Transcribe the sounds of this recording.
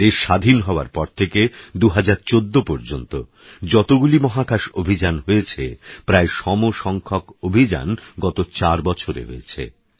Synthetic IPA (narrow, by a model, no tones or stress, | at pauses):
eʃad̪ʱinɦɔoa̰ɾpɔɾt̪ʰeked̪uɦad͡ʑaɾt͡ɕod̪ːopɔɾd͡ʑont̪o | d͡ʑɔt̪oɡulimɔɦakaʃobʱid͡ʑanɦoet͡ɕʰepɾaeʃɔmoʃɔŋkʰokobʱid͡ʑa̰nɡɔt̪ot͡ɕaɾbɔt͡ɕʰoɾḛɦoet͡ɕʰḛ